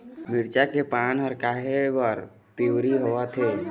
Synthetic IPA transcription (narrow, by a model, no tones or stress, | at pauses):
mɪɾt͡ʃakepanɦəɾkaɦebəɾ | piwɾiɦoat̪ʰe